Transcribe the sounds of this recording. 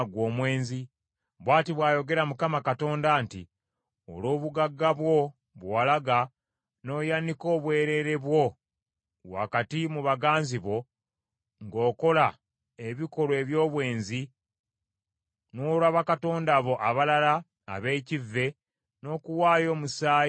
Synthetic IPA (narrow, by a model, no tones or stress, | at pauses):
ɡwo̞ːmwe̞ːnzi | βwaːtiβwaːjo̞ɡe̞ɾamukamakato̞ːndaːnti | o̰loːβuɡaɡːaβwo̞ | βwaːlaɡa | no̞ːjaniko̞ːβwe̞ːɾe̞ɾe̞βwo̞ | wa̰katimuβaɡaːnziβo̞ | ŋɡo̞ːko̞la | e̞βiko̞lwe̞βjo̞ːβwe̞ːnzi | noːlaβakato̞ːndaβo̞ʔaβalala̰ː | βe̞ːcivːe̞ | no̞ːkuwaːjo̞ːmusaː